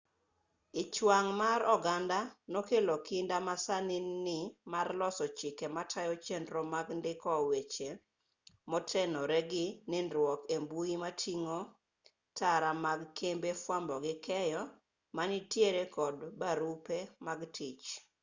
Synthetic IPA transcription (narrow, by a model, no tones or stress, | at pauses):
ɪt͡ʃwaŋmaɾɔɡandanokelokɪndamasanɪnːɪmarlɔsɔt͡ʃɪkɛmatʰajɔt͡ʃendɾɔmaɡndɪkɔwet͡ʃe | mɔtʰɛnɔɾɛɡɪnɪndɾwɔkembuimatʰiŋo | tʰaɾamaɡkʰembefwambɔɡɪkɛjɔ | manɪtjeɾekɔdbaɾupemaɡtʰit͡ʃ